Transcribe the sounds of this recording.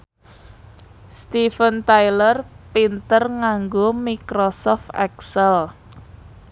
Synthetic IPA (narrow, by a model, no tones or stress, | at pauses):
st̪ifənt̪ajlərpint̪ərŋaŋɡomikɾosɔft̪ɛ̰ksɛl